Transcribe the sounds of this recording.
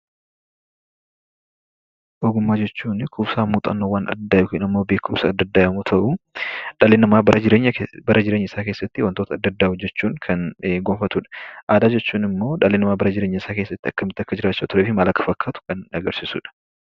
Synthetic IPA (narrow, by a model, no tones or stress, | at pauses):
ʔɔɡʊmːaːd͡ʒɛt͡ʃːuːnkʰuːbsaːmuːt̪ʼɐ̰nːowaːnɐ̰d̪ɐd̪ːaːjɪkʊʔɪnɐmːoːbe̞ːkʰʊmsɐɐd̪ːɐd̪ːaːjɐmut̪ʰɐʔʊᶑɐlenɐmaːbɐɾɐd͡ʒɪɾeːɲːɐbɐɾʔɐd͡ʒɪɾeɲːɐɪsaːke̞ːsːɐt̪ːɪwɐnt̪oːt̪ɐd̪ːɐd̪ːaːʊd͡ʒɛt͡ʃːuːŋkʰɐnɡomfɐt̪uᶑɐ̥ʔaːd̪aːd͡ʒɛt͡ʃːuːnɪmːo̞ːᶑɐlenɐmaːbɐɾɐd͡ʒɪɾe̞ːɲːɐɪsaːkeːsːɐt̪ːɪɐkːɐmɪt̪ːɐkːɐd͡ʒɪɾaːt͡ʃːɐt̪ʊɾeːfɪmaːlɐkːɐ̥fɐkʰːaːt̪ʊ̥kɐnɐɡɐɾsɪsṵːᶑɐ̥